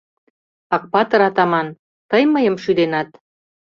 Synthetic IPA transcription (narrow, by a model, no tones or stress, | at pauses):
ɑk̚pɑt̪ɤ̆ɾɑt̪ɑmɑn | t̪əjməjə̆mʃyd̪enɑt̪